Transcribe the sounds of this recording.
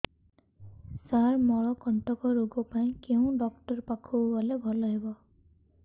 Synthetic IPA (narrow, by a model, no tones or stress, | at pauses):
saɹmɔɹɔkɔntɔkɔɹoɡɔpaĩkeʊ̃ɖɔk̚ʈɔɹpakʰubɔlebʱɔlɔɦibɔ